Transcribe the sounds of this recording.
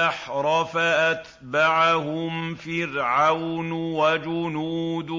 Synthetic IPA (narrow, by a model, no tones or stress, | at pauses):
aħɾˤɑfaʔat̪ | baʕahʊmfɪɾʕawnwad͡ʒʊnuːd̪